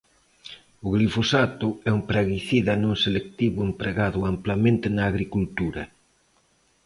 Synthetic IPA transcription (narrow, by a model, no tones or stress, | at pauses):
ʊɣlifosat̪ʊɛumpɾaɣiθiðɐnũŋselek̚t̪iβʊempɾeɣaðʊamplamẽnt̪ɪnaːɣɾikult̪uɾɐ